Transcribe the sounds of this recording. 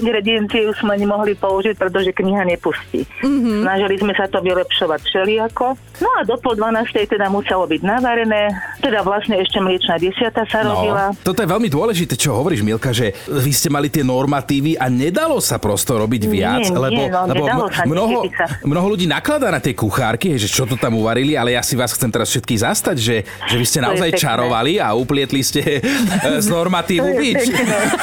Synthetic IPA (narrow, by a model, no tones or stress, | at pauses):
iŋɡɾɛd̪iɛnt͡siɛuz̥mɛaɲɛmɔɦlipɔuʒic̚pɾɛt̪̬ɔʒɛkɲiɦaɲɛpuscḭɦsnaʒɛlizmɛsat̪ɔʋilɛpʃɔʋacfʃɛliakɔ | nɔad̪ɔpɔld̪ʋanaːst̪ɛjt̪ɛd̪amusɛlɔbiɟnaʋaɾɛnɛːt̪ɛd̪aʋlasɲɛɛʃcɛmlɪɛt͡ʃnaɟɛsɪat̪asaɾɔbilat̪ɔt̪ɔjɛʋɛlmid̪ʊɔlɛʒit̪ɛːt͡ʃɔɦɔʋɔɾiːʒmilkaʒɛʋiscɛmalit̪ɪɛnɔɾmat̪iːʋiʔaɲɛd̪alɔsapɾɔst̪ɔɾɔbiɟʋɪa̰t͡slɛɔlɛbɔɔmnɔɦɔsamnɔɦɔluɟiːnaklad̪aːnat̪ɛkuxaːɾkiɦɛjʒɛt͡ʃɔt̪ɔt̪amuʋaɾilialɛjasiʋaːsxt͡sɛmt̪ɛɾasfʃɛt̪kiːɣzast̪aɟʒɛ | ʒɛʋiscɛnaɔzajt͡ʃaɾɔʋaliauplɪɛt̪liscɛ | znɔɾmat̪iːʋuit͡ʃ